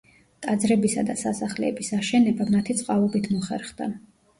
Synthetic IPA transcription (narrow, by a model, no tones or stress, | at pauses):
t̪ʼad̪zɾɛbisad̪asasaχlɛ̰ɛbisaʃɛnɛbamat̪ʰit̪sʼqʼalˠɔbit̪ʰmɔχɛ̰ɾχd̪a